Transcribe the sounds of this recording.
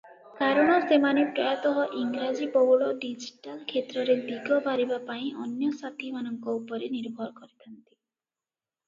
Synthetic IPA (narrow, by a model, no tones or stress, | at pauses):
kaɾɔɽ̃ɔsemanepɾajat̪ɔɦɔʔiŋɡɾad͡ʒipɔɦuɭɔɖid͡ʒiʈalkʰet̪ɾɔɾed̪iɡʱɔbʱaɾibapaĩɔnjɔsat̪imanɔŋkɔupɔɾeniɾbʱɔɾɔkɔɾit̪ʰant̪i̥